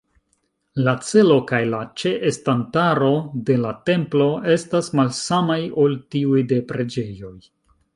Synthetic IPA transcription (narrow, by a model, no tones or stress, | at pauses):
lat͡se̞lo̞kajlat͡ʃe̞ʔestantaɾo̞de̞late̞mplo̞e̞stasmalsamajo̞ltiujde̞pɾe̞d͡ʒe̞jo̞j